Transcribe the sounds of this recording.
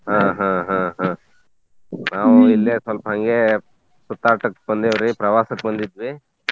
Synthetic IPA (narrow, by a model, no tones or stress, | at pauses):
ɦãːɦãːɦãːɦãː | naːʋuilːeːsʋɐlpɐɦɐŋɡe | sut̪ːaːʈɐkbɐnd̪eʋɐɾipɾɐʋaːsɐk̚bɐnd̪id̪ʋi